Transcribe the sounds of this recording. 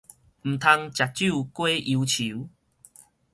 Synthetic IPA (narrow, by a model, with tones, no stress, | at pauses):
m̩˨˩t̪ʰa˧ŋt͡ɕja˨˩t̚t͡ɕu˥˧kwe˦ʔi˧t͡ɕʰi˨˦